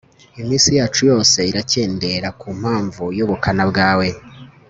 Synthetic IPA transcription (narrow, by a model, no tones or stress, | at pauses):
imiːnsijaːt͡ʃujo̞ːse̞iɾace̞ːnde̞ɾakuːm̥haːɱvujoβukʰanabɡaːwe̞